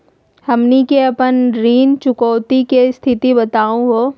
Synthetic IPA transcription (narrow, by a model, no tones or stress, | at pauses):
hɐmnikeɐpənɾiːnt͡ʃʊkɔːt̪ikest̪ʰɪt̪ibɐt̪aːũɦoː